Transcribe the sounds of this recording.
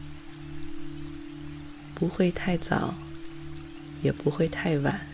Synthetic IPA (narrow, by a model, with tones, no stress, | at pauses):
pu˧˥xwe˥˧ɪt̪ʰa˥˩ɪt͡sɑ̰˨˩˦ʊ | jɛ˨˩pu˧˥xwe˥˧ɪt̪ʰa˥˩ɪwa̰˨˩˦n